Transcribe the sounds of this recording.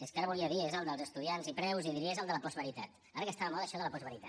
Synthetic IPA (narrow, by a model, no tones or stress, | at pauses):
eskaɾəβuliəðiezəlˠd̪əlˠzəst̪uðianzipɾɛwziðiɾiezəlˠd̪ələpɔzβəɾit̪at̪ | aɾəkəst̪aβəmlðəʃɔðələpɔzβəɾit̪a